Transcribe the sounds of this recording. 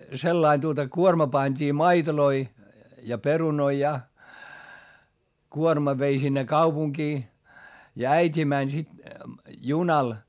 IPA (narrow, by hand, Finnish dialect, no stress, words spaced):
selːɑin tuotɑ kuormɑ pɑnʲd̥iː mɑitoloi jɑ perunoi jɑ kuormɑ ʋei sinːe kɑupuŋkiː jɑ æitʲi mænʲ sit junɑl